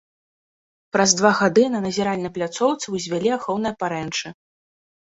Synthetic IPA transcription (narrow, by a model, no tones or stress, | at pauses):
pɾɐzd̪vaɣad̪ɨnɐnɐzʲɛɾalʲnɐplʲat̪sɔwt̪sɨwzʲvʲalʲiaxɔwnɨjɐpaɾɛnt͡ʂɨ